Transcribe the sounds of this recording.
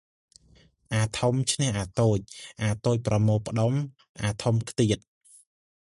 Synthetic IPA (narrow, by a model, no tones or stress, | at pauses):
ʔaːt̪ʰomt͡ɕʰnɛ̆hʔaːt̪oːc̚ʔaːt̪oːc̚prɑmoːpə̆ɗom | ʔaːt̪ʰumkʰt̪iət̪̚